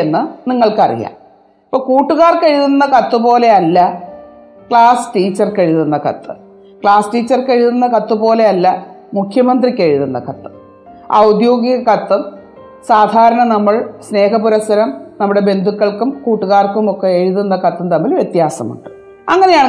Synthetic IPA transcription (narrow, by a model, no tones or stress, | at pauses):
enːɨniŋːɐɭkɐ̰rḭja̰ːm | ipːoːɭkuːʈːuɣaːrkɐɻiðunːɐkɐt̪ːɨpo̞ːle̞ɐlːɐ | kɭaːsɨ̥ʈiːt͡ɕːɐrkɐɻiðunːɐkɐ̰t̪ːɨ | kɭaːsʈiːt͡ɕːɐrkɐɻiðunːɐkɐt̪ːɨpo̞ːle̞ɐlːɐmukʰjɐmɐnd̪rikʲːeɻiðunːɐ̰kɐt̪ːɨ̥m | ɐ̰wd̪joːɡiɣɐkɐt̪ːum | saːd̪ʱaːɾɐɳɐnɐmːɐɭsne̞ːɦɐpuɾɐsːɐɾɐmnɐmːuɽebe̞nd̪ʱukːɐɭkumkuːʈːuɣaːrkumo̞kːe̞eɻuðunːɐkɐt̪ːumt̪ɐmːilʋje̞t̪jaːsɐ̰mṵɳɖɨ | ɐ̰ŋːɐne̞jaːɳ